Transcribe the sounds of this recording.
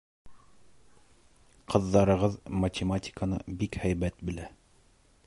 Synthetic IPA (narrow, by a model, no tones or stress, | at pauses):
qʰɤ̆ðːɑɾɤ̆ʁɤðmɐtʲɪmatʲɪ̥kənɤ̰bikhæjbæt̪̚bɘ̆læ